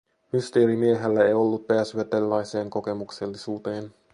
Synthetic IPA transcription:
myst̪e̞ːɾimie̞ɦelːæejo̞lːut̪̚peæsyæt̪elːɑjse̞ːŋko̞ke̞mukse̞lːisuːt̪e̞ːn

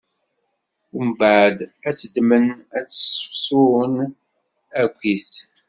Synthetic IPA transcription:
mbaʕd̪æt͡sːəd̪mənæt͡sːsə̥fsʊɾən | ækʷːiθ

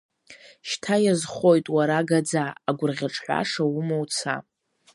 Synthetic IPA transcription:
ʃtʰajazχo̞jtʼwaɾaɡad͡zaːɡʷʊrʁʲaʈ͡ʂʼħʷa̰ʂawʊmowt͡sʰa̰

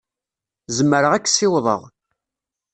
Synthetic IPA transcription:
zəmːəɾəʁækːsɪwðˤə̰ʁ

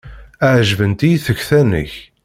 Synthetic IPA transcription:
æʕʒvənt̪ijθəçθænə̰ç

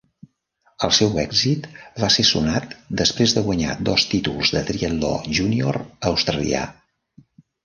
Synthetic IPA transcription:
əlˠsɛwɛɡzit̪βasesunat̪d̪əspɾezðəɣwəɲa̰d̪ɔst̪it̪ulˠzðət̪ɾiəld̪ɔ̰ʒunioɾəwst̪ɾəlḭa̰

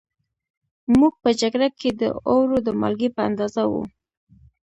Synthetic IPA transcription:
muɡ̚pəd͡ʒaɡɾakʰed̪ə̰owɾod̪əma̰lɡepəa̰nd̪ɑzawṵ

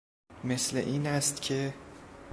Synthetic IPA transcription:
meslḛʔiːnæst̪cʰe̞

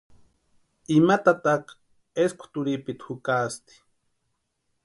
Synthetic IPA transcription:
imat̪at̪aq | eskʰʊ̥t̪ʊɾipit̪hukast̪i̥

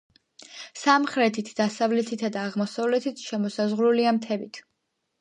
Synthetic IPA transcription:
samχɾɛt̪ʰit̪ʰd̪̥asavlɛt̪ʰit̪ʰad̪aːʁmɔsavlɛt̪ʰit̪ʰʃɛmɔsazʁɾuliamt̪ʰɛbit̪ʰ

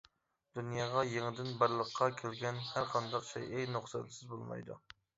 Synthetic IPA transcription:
d̪unjɑːʁɑjeŋɪd̪ɪnbəɾlˠəqʰːɑkʲʰelɡʲɛnhæɾqʰɑnd̪ɑqt͡ʃʰɛ̰jʔejnʊχsɑ̰t̪sɪzbolˠmɑ̰jd̪ṵ

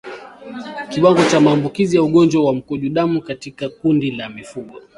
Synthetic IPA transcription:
kiwaŋɡɔt͡ʃamaːmbukizijauɠɔnd͡ʒwawam̩kɔʄuɗamukatikakundilamifuɠɔ

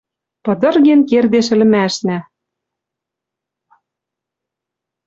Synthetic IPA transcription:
pɤ̆d̪ɤ̆rɣenkerd̪eʃɘ̆lɘ̆mæʃnæ

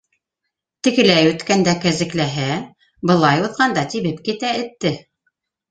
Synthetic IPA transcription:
t̪ɘ̆kɘ̆læjʉt̪kænd̪ækæzɘ̆klæɦæ | bɤ̆lˠɑjuðʁɑnd̪ɑt̪iβɘpkit̪æɘ̆t̪ːɘ

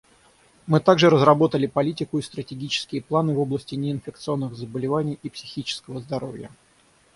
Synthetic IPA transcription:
mɨt̪aɡʐɨɾəzɾɐbo̞t̪əlʲɪpɐlʲitʲɪkʊist̪ɾətʲɪɡʲit͡ɕɪ̥skʲɪjəplˠanɨvo̞blˠəsʲtʲɪnʲɪɪnfʲɪk̚t̪sɨo̞nːɨɣzəbəlʲɪvanʲɪjipsʲɪxʲit͡ɕɪ̥skəvəzd̪ɐɾo̞̰vʲjə̰

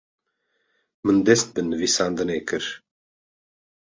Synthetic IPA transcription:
mɨnd̪ɛst̪̚bɨnɨvisaːnd̪ɨneːkɨɾ

